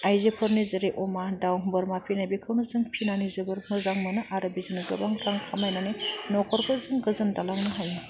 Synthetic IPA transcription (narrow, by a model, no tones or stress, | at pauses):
ajzepʰɯɾnizɯɾiʔɔmadawbɯɾmapʰinajbikʰɯwnɯzɯŋpʰinanizɯbɯɾmɯzaŋmɯnɯʔaɾɯbizɯnɯɡɯbaŋɾaŋkʰamajnanenɔkʰɔɾkʰɔzɯŋɡɯzɯndalaŋnɯɦajɯ